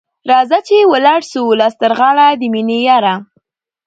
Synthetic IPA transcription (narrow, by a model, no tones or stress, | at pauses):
ɾɑzat͡ʃewəlɑɽsulɑst̪əɾɣɑɽad̪əminejaɾa